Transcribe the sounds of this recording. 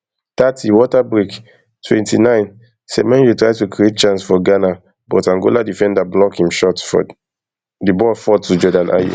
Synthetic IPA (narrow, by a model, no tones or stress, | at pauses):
t̪atʰiwɔtabɹik | tʰwɛ̰̃ntʰḭnãɪ̃n | sɛmɛ̃njutɹaɪtukʰɹiet̚t͡ʃãnsfɔɡana | bɔtãŋɡoladifɛ̃ndablɔkhĩmʃɔtfɔ̰ | dibɔfɔtud͡ʒɔdãnʔa̰jṵ